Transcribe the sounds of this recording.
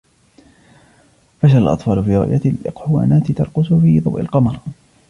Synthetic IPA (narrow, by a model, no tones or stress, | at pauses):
faʃaalʔɑ̰t̪ˤfɑːlʊfiːɾˤʊ̰ʔjaɪlʔɪqħʊwa̰ːnaːt̪ɪt̪ɑɾˤqʊsʊfiːðˤɑ̰wʔɪ̰lqɑmɑɾˤ